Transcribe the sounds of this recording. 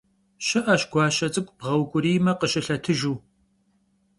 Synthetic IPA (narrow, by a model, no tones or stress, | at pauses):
ɕɐʔɐʃɡʷɑːʃɐt͡sʼɨkʷʼb̥ʁɐwkʷʼʊɾiːmɐqəʃɪɬɐtʰɨʒuː